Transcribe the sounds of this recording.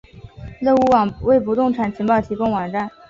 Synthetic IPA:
lɤ˥˧u˧˥wɑ˨˩ŋwe˥˩ɪpu˧˥t̪ʊ˥˩ŋʈ͡ʂʰa˨˩nt͡ɕʰi˧˥ŋpɑ˥˩ʊt̪ʰi˧˥kʊ˥˩ŋwɑ˨˩ŋʈ͡ʂa˥˩n

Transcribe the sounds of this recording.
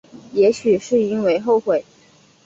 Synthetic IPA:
jɛ˧˥ɕy˨˩ʂɻ̩˥˩i˥nwe˧˥ɪxo˥˩ʊxwe˨˩˦ɪ

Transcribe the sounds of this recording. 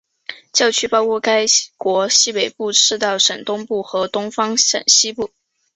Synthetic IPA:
t͡ɕjɑ˥˧ʊt͡ɕʰy˥pɑ˥ʊkʰwɔ˥˩ka˥ɪkwɔ˧˥ɕi˥pe˨˩ɪpu˥˧ʈ͡ʂʰɻ̩˥˧t̪ɑ˥˩ʊʂə˨˩ŋt̪ʊ˥ŋpu˥˩xɤ˧˥t̪ʊ˥ŋfɑ˥ŋʂə̰˨˩nɕi˥pu˥˩

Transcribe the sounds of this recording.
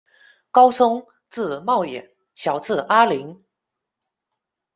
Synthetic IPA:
kɑ˥ʊsʊ˥ŋ | t͡sɹ̩˥˩˨mɑ˥˩ʊjɛ˨˩˦ | ɕjɑ˨˩ʊt͡sɹ̩˥˩ʔa˥li˧˥ŋ

